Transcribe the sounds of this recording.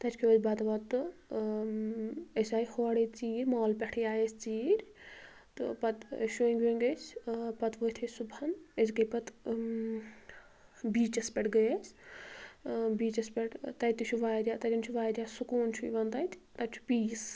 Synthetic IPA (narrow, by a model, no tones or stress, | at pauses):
t̪ɐt͡ʃʲʰkʰeʋɐd͡ʒʲbɐt̪ʋɐt̪ɨ | esʲaːjihoːɽet͡siːɾʲmaːlpʲɛʈʰijaːjesʲt͡siːɾʲ | t̪ɨ̰pɐt̪ʃueŋɡʲeŋɡesʲpɐt̪ʋot̪ʰesubʱɐnesɡɐpɐt̪ | biːt͡ʃɐspʲɛʈɡɐjasʲ | biːt͡ʃɐspʲɛʈt̪ɐjt̪it͡ʃʰuʋaːɾʲjaːt̪ɐtʲint͡ʃʰuʋaːɾʲjaːsukuːnt͡ʃʰuiʋɐnd̪aːjt̪ʲʰt̪ɐt͡ʃʰu̥piːs